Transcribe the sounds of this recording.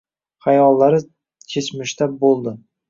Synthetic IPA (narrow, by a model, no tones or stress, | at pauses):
χajɒlˠːaɾɪ | t̪ʲʰesmɪʃt̪abolˠd̪ɪ